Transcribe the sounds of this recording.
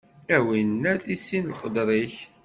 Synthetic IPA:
æwinːæθisːinlqəd̪ɾˤiç

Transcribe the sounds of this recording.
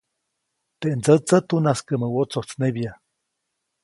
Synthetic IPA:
t̪eʔnd͡zət͡sət̪unaskəməwot͡soht͡snebja

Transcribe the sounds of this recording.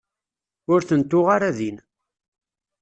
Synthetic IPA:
ʊɾθənt̪ːʊʁaɾæðin

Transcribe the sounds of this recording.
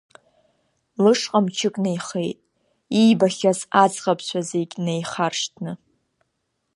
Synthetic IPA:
lɨʂqʼamt͡ʃʰɨkʼnejχejtʼ | ijbaχʲazad͡zʁapʰɕʷʰazekʲʼnejχarʂtʰnɨ

